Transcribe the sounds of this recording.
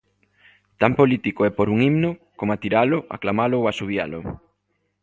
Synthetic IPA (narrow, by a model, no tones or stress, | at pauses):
t̪ampolit̪ikoɛpoɾuŋimnʊkomat̪iɾalʊʔa̰klamalʊwasuβja̰lʊ̰